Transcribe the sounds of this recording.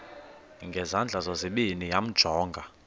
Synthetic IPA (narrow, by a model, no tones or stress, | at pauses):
ŋɡʱɛzand͡ɮʱazɔziɓinijam̩d̥ʒ̥ʱɔːŋɡʱa